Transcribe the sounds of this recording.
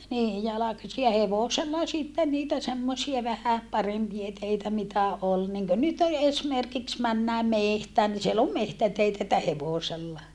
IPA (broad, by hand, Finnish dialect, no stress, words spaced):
niː jɑlɑkɑsi jɑ heʋoselːɑ sitːen niːtæ semːosiɑ ʋæhæ pɑrempie teitæ mitæ ol niŋkø nyt e esmerkiks mænːæː mehtæːn ni siel om mehtæteitæ etːæ heʋoˑselːɑ